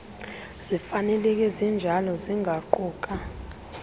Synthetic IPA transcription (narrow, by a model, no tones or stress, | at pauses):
z̥ifanɛlɛk̬ʼɛzind͡ʒʱalɔziŋʱaǃɔːk̬ʼa